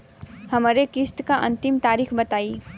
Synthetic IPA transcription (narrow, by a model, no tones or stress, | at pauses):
hʌmʌɾekist̪kaʔʌnt̪imt̪aɾikʰbʌt̪ai